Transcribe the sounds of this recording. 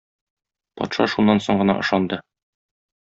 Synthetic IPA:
pɒ̰t̪ʃɑ̰ʃunːɑnsoɴɢɤ̆nɑ̰ʔɤ̆ʃɑnd̪ɤ

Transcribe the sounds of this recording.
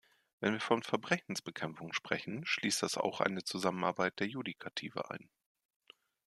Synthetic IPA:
vɛnviːɐfɔnfɛɐbʁɛçn̩sb̥əkʰɛmfʊŋʃpʁ̥ɛçn̩ʃliːst̚d̥asa̰ʊxʔa̰ɪnət͡suzaməna̰ɐbaɪt̚d̥eːɐjudikʰatʰḭːvə̰ʔa̰ɪn

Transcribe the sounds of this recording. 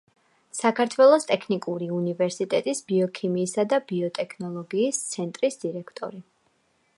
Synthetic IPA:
sakʰaɾt̪ʰwɛlˠɔst̪ʼɛkʰnikʼuɾiunivɛɾsit̪ʼɛt̪ʼisbiɔkʰimiːsad̪abiɔt̪ʼɛkʰnɔlˠɔɡiːst̪sʰɛnt̪ʼɾisd̪̥iɾɛkʰt̪ʼɔ̰ɾi

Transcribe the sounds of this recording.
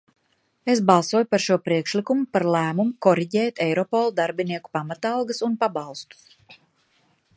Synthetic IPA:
esbɑlˠsuɔjupaɾʃuɔpɾiɛkʃlikumupaɾlˠæːmumukɔɾiɟɛːt̪ɛjɾɔpɔlˠd̪aɾbiniɛku̥pamat̪ɑlˠɡɐsunpabɑlˠst̪u̥s

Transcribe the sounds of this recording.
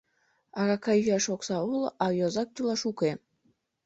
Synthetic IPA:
ɑɣɑkɑjɣɑʃoksɑulˠɑjozɑk̚t̪ylˠɑʃuke

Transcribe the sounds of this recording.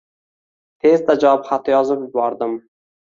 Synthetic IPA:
t̪ʰe̞zd̪ad͡ʒawɑpχat̪ːjɒzɨbbɒɾd̪ɪm

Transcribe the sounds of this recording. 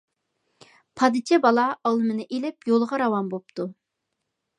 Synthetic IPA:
pʰɑd̪ɨt͡ʃʰɛbɑlˠɑɑlˠɨmɨnɨʔelɪpjolˠəʁɑɾɑwɑmbop̚t̪u

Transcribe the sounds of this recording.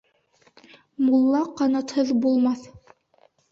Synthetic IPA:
mulˠːɑqɑnɑt̪hɤðbulˠmɑθ

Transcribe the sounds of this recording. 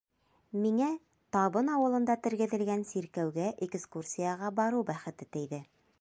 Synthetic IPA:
miŋæ | t̪ɑβɤnɑwɤ̆lˠɤ̆nd̪ɑt̪ɘ̆ɾɡɘ̆ðɘ̆lɡænsiɾkæwɡæʔekskursʲijaʁɑbɑɾɤwbæχɘ̆t̪ɘt̪ɘ̆jðɘ

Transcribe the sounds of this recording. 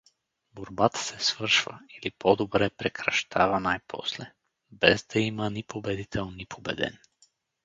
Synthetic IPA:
boɾbat̪ḁsɛsvərʃva̰ilipɔd̪obɾɛpɾɛkɾaʃt̪ʰavanajpʰɔ̰slɛ | bɛzd̪aimanipʰobɛd̪it̪ʰɛlˠnipʰobɛ̰d̪ɛ̰n

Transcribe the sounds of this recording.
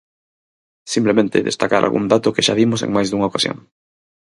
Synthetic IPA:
simplemẽnt̪ɪ̰ðḛst̪akaɾa̰lɣṵnd̪at̪ʊkeʃa̰ðimʊsḛŋmajzðuŋaokasjo̰ŋ

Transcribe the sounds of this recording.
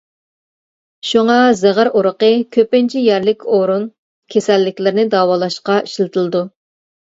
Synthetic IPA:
ʃuŋɑzɛʁæɾuɾəqəkʲʰøpɪnt͡ʃʰijɛɾlɪkʲʰoɾun | kʲʰesɛlːɪkʲlɪɾɪnɪd̪ɑːwɑːlˠɑʃqɑiʃlɨt̪ʰɨlˠɨd̪u

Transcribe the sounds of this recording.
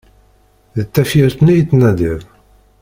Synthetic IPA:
ðət̪ːæfiɾt̪nijt̪ːnæd̪iðˤ

